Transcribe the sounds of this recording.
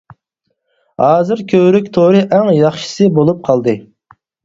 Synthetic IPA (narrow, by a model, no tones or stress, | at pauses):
hɑːzɨɾkʲʰøwɾykʲt̪ʰoɾɨʔɛŋjɑχʃɨ̥sɨbolˠup̚qʰɑlˠd̪ɨ